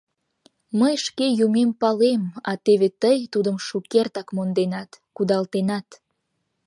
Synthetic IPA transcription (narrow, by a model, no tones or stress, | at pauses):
məjʃkejumempɑlemɑt̪eβet̪əjt̪ud̪əmʃukert̪ɑkmond̪enɑt̪kud̪ɑlt̪enɑt̪